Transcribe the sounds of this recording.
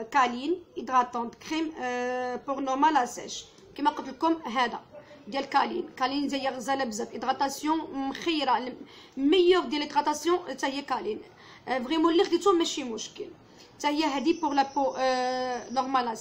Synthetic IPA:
kɑlinʔid̪ʁɑt̪ɑ̃d̪kʁim | puʁnɔmalæsæ̰ʃ | kimæqət̪əlkʊmɦæd̪æ̰d̪jælkɑlḭnkɑlind̪jæjːæʁzælæbzæfʔid̪ʁɑt̪asjɔ̃mxijɾal | mæjəʁd̪jælid̪ʁat̪asjɔ̃t̪æhəjːækɑlin | vʁimulːiχd̪it̪umːæʃimʊʃkəl | t̪æhəjːæɦæd̪ipʊʁlæpo | nɔʁmalæs

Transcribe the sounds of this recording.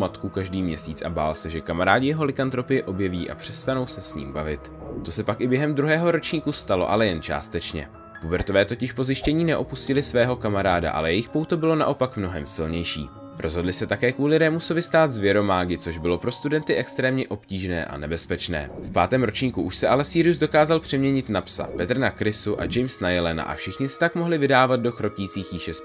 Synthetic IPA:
mat̪kukaʒdiːmɲɛsiːt͡sʔa̰ba̰ːlsɛʒɛkamaɾaːɟɪjɛɦo̞lɪkant̪ɾo̞pɪjɛʔo̞bjɛviːʔa̰pr̝̥ɛst̪ano̞wsɛsɲḭːmbavɪt̪t̪o̞sɛpakʔɪbjɛɦɛmd̪ɾuɦɛːɦo̞ɾo̞t͡ʃɲiːkust̪alo̞̰ʔalɛjɛnt͡ʃa̰ːst̪ɛt͡ʃɲɛ̰ | pobɛɾt̪o̞vɛːt̪o̞cɪʃpo̞zɪʃcɛɲiːnɛʔo̞puscɪlɪsvɛːɦo̞kamaɾaːda̰ʔa̰lɛjɛjɪxpo̞wt̪obɪlo̞naʔo̞pakmno̞ɦɛmsɪlɲɛjʃḭː | ɾʔo̞zɦo̞dlɪsɛt̪akɛːkvuːlɪɾɛmuso̞vɪst̪aːd̪zvjɛɾo̞maːɡɪt͡so̞ʒbɪlo̞pɾo̞st̪udɛnt̪ɪʔɛkst̪ɾɛːmɲɛʔo̞pciːʒnɛ̰ːʔa̰nɛbɛspɛt͡ʃnɛ̰ːfpa̰ːt̪ɛːmɾo̞t͡ʃɲiːkuʔuʃsɛʔalɛsiːɾɪjuzdo̞kaːzalpr̝̥ɛmɲɛɲɪt̪napsa̰pɛt̪r̩nakɾɪsuʔa̰d͡ʒɛjmsnajɛlɛna̰ʔa̰fʃɪxɲɪsɪ̥t̪akmoɦlɪvɪdaːvad̪̚do̞xɾo̞piːt͡siːxjɪʃɛs

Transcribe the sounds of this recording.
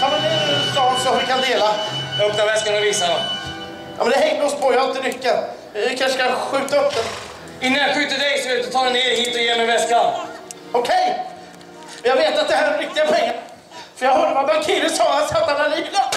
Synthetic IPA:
jɔːmɛnd̪ɛɛɪsd̪ɑːɡsɔhɪɾkʰand̪eːlajaœpnaɾvɛskanɔviːsad̪ɔm | jɔ̰mɛnd̪ɛɦɛŋːd̪əɔspʰɔjahaɾɪnt̪əɾʏkːan | ɪkʰanʂəkʰanɧʉ̟ːt̪aɵp̪ːən | ɪnːaɾjaɧʉːt̪əd̪ɛjsɔveːt̪̚d̪ɵt̪ʰɑːd̪ɛneːɾhiːt̪ɔjeːmɛjvɛskan | ɔkʰɛj | jɑɡveːt̪at̪̚d̪ɛhæɾɾɪk̚t̪ɪɡaɛj | fœɾjɑhɵd̪ːəvabaŋkʰiɾəsɔːlansat̪ːamaliːla

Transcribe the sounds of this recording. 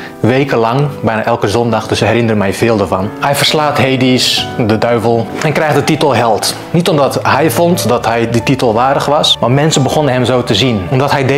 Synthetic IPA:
ʋejkəlɑŋbɛjnaʔɛlˠkəzɔndaxdəsəɦɛɾɪndərəmɛjvɪːlˠdəvɔnhɛjfərslaːtɦejdisdədœɥvəlˠɛnkrɛjxdətitəlˠɦɛlˠt | nitɔmdɔtɦɛjfɔntdɔtɦɛjdititəlˠʋaːdəxʋɑsmarmɛnsənbəxonənɦɛmzoːtəzinomdɔtɦɛjde

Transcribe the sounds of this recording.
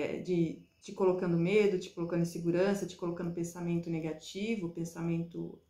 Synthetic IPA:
d͡ʒɪ | t͡ʃɪkolokɐ̃nd̪ʊmed̪ʊt͡ʃɪ̥kolokɐ̃nd̪ĩseɡuɾɐ̃sɐt͡ʃɪ̥kolokɐ̃nd̪ʊpẽsamẽnt̪ʊneɡat͡ʃivʊpẽsamẽnt̪ʊ̰

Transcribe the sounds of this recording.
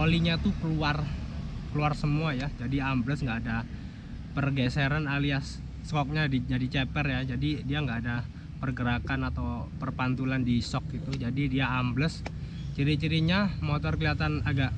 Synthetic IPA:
ʔoliɲat̪ukəluarkəluarsəmuajad͡ʒadiambləsŋɡaːda | pərɡeseɾanaliasː | kɔk̚ɲadid͡ʒadit͡ʃepɛrjad͡ʒadidiaŋɡaːda | pərɡəɾakanat̪awpərpant̪ulandisɔk̚ɡit̪ud͡ʒadidiaːmbləs | t͡ʃiɾit͡ʃiɾiɲamot̪ɔrkəliat̪anaɡaʔ

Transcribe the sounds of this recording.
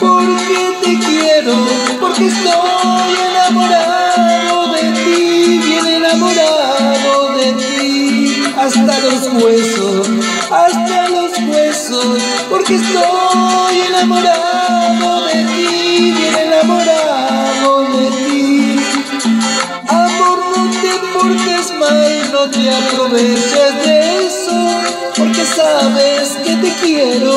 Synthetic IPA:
poɾket̪ekjeɾo | poɾkest̪o | jenamoɾa | ðoðet̪iβjenenamoɾa | ðoðet̪i | ast̪alospwesos | ast̪alospwesos | poɾkest̪ojenamoɾaðoðet̪iðjenenamoɾaðoðet̪i | apoɾfut̪epoɾt̪ezmajznõt̪eapɾoβet͡ʃeɾðeeso | poɾkesaβesket̪ekjeɾo

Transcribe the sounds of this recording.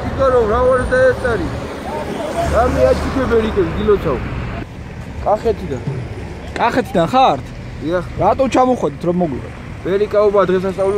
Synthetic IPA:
it̪aɾɔvɾavaɾʰd̪aɛɾt̪ʼaɾi | ɾamɛat͡ʃʰʼupʰɛbɛlik̪ɛzɡilɔt̪sʰau | kʼaχɛt̪ʰid̪an | kʼaχɛt̪ʰid̪anχaɾt̪ʰ | d̪iaχɾat̪ʼɔt͡ʃʰamɔχwɛd̪it̪ʰɾɔmɔɡlḭwɛ̰t̪ʰ | b̥ɛɾikʼaɔbaːd̪ʁɛs̬ast̪sʼavlɛ

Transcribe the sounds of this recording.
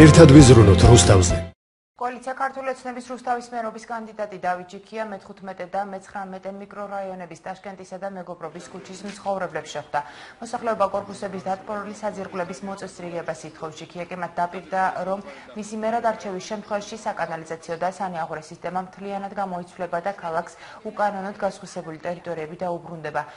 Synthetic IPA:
ɛɾt̪ʰad̪vizɾunɔt̪ʰɾust̪ʰavzɛ | kʼɔalit̪sʰiakʰaɾt̪ʰuliɔt̪sʰnɛbisɾust̪ʰavismɛɾɔbiskʼand̪id̪at̪ʼid̪avit̪̚d͡ʒikʰiamɛt̪ʰχut̪ʰmɛt̪ʼɛd̪amɛt̪sʰχɾamɛt̪ʼɛnmikʼɾɔɾaiɔnɛbist̪ʼaʃkʼɛnt̪ʼisad̪amɛɡɔbɾɔbiskʰut͡ʃʰismt̪sχɔvɾɛblɛpsʃɛχd̪amɔsaχlɛɔbakʼɔɾpʼusɛbisd̪at̪ʼpʼɔɾɛlisad̪ziɾʁwlɛbismɔt̪sʼɛsɾiʁɛbasit̪ʰχɔfsd͡ʒikʰiakʼimat̪̚ʰd̪apʼiɾd̪aɾɔmː | isimɛɾad̪aɾt͡ʃʰɛvisʃɛmt̪ʰχwɛvaʃisakʼanalizat̪sʰiɔd̪asaniaʁuɾɛsist̪ʼɛmamt̪ʰlianad̪ɡamɔit̪sʰlɛbad̪akʰalˠaks | ukʼanɔnɔd̪ɡasχwisɛbulit̪ʼɛɾit̪ʼɔɾiɛbid̪aubɾund̪ɛba

